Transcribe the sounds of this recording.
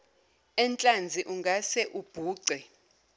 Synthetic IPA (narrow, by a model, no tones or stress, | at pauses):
ɛnt͡ɬʼand͡zʱiʔuŋɡʱasɛʔub̥ʱuːǀɛ